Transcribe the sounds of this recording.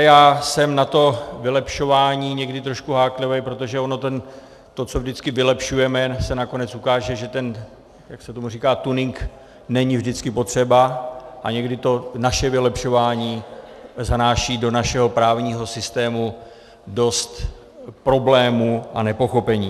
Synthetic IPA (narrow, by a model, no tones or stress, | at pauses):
jaːsɛmnat̪o̞vɪlɛpʃo̞vaːɲiːɲɛɡdɪt̪ɾo̞ʃkuɦaːklɪvɛjpɾo̞t̪oʒɛo̞no̞t̪ɛn | t̪o̞t͡so̞vʒdɪt͡skɪvɪlɛpʃujɛmɛsɛnako̞nɛt͡sukaːʒɛʒɛt̪ɛn | jaksɛt̪o̞muriːkaːt̪unɪŋk | nɛɲɪvʒdɪt͡skɪpo̞t̪r̝̥ɛbaʔaɲɛɡdɪt̪o̞naʃɛvɪlɛpʃo̞vaːɲiː | zanaːʃiːdo̞naʃɛɦo̞pɾaːvɲiːɦo̞sɪst̪ɛːmu | do̞st̪ | pɾo̞blɛːmuʔanɛpo̞xo̞pɛɲiː